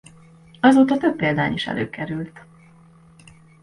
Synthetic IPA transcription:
ɒzoːt̪ɒt̪øbːeːld̪aːniʃɛ̰lʔø̰ːkɛɾylt̪

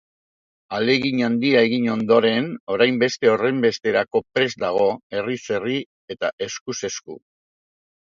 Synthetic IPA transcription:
ale̞ɣiɲand̪iae̞ɣiɲo̞nd̪o̞ɾe̞no̞ɾajmbe̞st̪e̞o̞re̞mbe̞st̪e̞ɾako̞pɾe̞zd̪aɣ̞o̞e̞rise̞ri | e̞t̪aʔe̞skuse̞skṵ

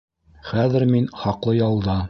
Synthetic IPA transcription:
χæðɘ̆ɾminχɑqlˠɤjɑlˠd̪ɑ

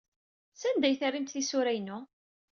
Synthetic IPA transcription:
sænd̪æjθərːimt̪θisʊɾæjnʊ

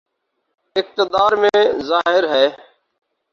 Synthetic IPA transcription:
ɪk̚t̪ɪd̪aːɾmẽːzaːɦɪɾɦɛː

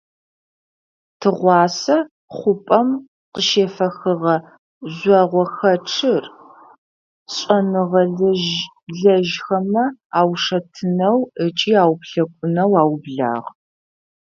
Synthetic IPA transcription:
tʰɨʁʷɑːsɐ | χʷʊpʼɐm | qəʃeːfɐxɨʁɐ | zɔʁʷɔxɐʈ͡ʂʰɨr | ɕʼɐnɨʁɐ | ɮɐʒxɐmɐaːwʂɐtʰɨnɐwət͡ʃʼiːaːwpɬɐkʷʼʊnɐwaːwbɮa̰ːʁ

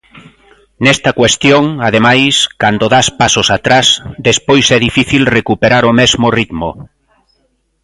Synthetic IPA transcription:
nɛst̪ɐkwest̪joŋað̞emajskand̪oðaspasosat̪ɾasd̪espojsɛðifiθilrekupeɾaɾomɛzmorit̪mo̰

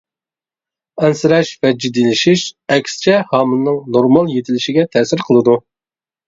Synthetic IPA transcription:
ɛnsɨɾɛʃvɛd͡ʒid̪ilɪʃiʃɛkʲst͡ʃʰɛhɑːmɨnːɨŋnoɾmɑlˠjet̪ʰɪlɪʃiɡʲɛt̪ʰɛːsɪɾqʰəlˠɨd̪u

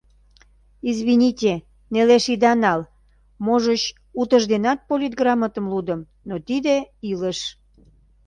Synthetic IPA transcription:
izβinʲitʲe | neleʃid̪ɑnɑl | moʒət͡ɕ | ut̪əʒd̪enɑt̪̚polʲit̪̚ɡrɑmət̪əmlud̪əm | not̪id̪eiləʃ

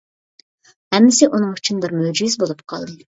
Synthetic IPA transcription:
hɛmːɪsɪʔunɨŋyt͡ʃʰynbɪɾmød͡ʒizbolˠup̚qʰɑlˠd̪ɨ

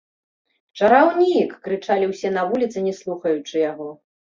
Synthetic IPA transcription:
t͡ʂɐɾawnʲikːɾɨt͡ʂalʲiwsʲɛn̪ɐvulʲit̪sɨnʲɛslˠuxɐjut͡ʂɨjaɣɔ

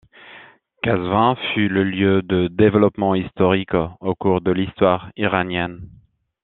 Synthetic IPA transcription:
kazvɛ̃fyləljød̪əd̪evlɔpmɑ̃ist̪ɔʁikokuʁd̪əlist̪waʁiʁanjɛn

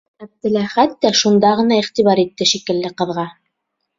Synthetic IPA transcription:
æb̚t̪ɘ̆læχæt̪ːæʃund̪ɑʁɤ̆nɑiχt̪iβɑɾit̪ːɘʃikɘ̆lːɘqɤ̆ðʁɑ

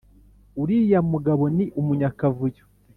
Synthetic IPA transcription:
uɾijamuɡaβo̞niʔumuɲakavujo

